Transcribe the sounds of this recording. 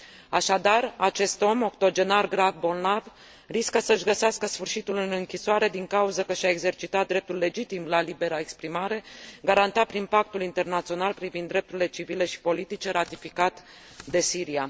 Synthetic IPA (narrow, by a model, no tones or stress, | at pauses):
aʃad̪arat͡ʃe̞st̪o̞mo̞kt̪o̞d͡ʒe̞narɡɾavbo̞lnav | riskəsəʃɡəseaskəsfɨrʃit̪ulɨnɨŋkʲisoaɾe̞d̪iŋkauzəkəʃaeɡze̞rt͡ʃit̪at̪̚d̪ɾe̞p̚t̪ulːe̞d͡ʒit̪imlalibe̞ɾaekspɾimaɾe̞ɡaɾant̪apɾinpak̚t̪ulint̪e̞rnat̪sio̞nalpɾivind̪ːɾe̞p̚t̪uɾile̞t͡ʃivile̞ʃi̥po̞lit̪it͡ʃe̞ɾat̪ifikat̪ | d̪e̞siɾia